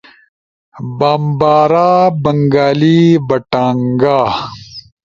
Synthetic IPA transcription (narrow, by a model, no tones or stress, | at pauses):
baːmbaːɾaːbɐŋɡaːlibɐʈaːŋɡaː